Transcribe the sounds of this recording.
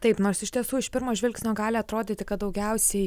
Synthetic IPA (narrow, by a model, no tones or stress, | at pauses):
t̪ɐɪpnoːrɾsɪʃʲt̪ʲiɛsuːɪʃpʲɪɾmoːʒʲʋʲɪlʲksnʲoːɡɑːlʲɪɐt̪ɾoːd̪ʲeːt̪ʲɪkɐt̪̚d̪ɐʊɡʲɛʊsʲɛɪ